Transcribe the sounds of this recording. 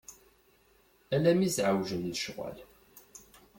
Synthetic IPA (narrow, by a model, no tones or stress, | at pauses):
ælæmisʕawʒənːəʃʁæ̰l